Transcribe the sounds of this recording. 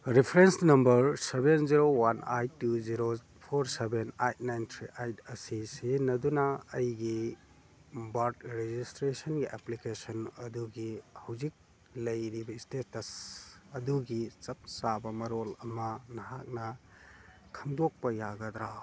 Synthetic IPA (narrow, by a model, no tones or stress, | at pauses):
ɾipʰɾensnɐmbɐɾsebenziɾowanajtːuziɾo | pʰoɾsebenajt̚najnt̪ʰɾiʔajtʰɐsisenɐdunɐːjɡi | baɾtɾed͡ʒistɾesɐnɡiʔeplikesɐnɐduɡihɐwzik̚ | lɐjɾibɐistetɐsɐduɡit͡ʃɐp̚sabɐmɐɾolɐmɐnɐɦak̚nɐ | kʰɐmdok̚pɐjaɡɐd̪ɾa